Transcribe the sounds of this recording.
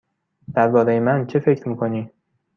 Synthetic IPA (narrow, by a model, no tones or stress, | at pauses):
d̪̥æɾbɒːɾejemænt͡ʃʰefe̞cɾmiːkʰoniː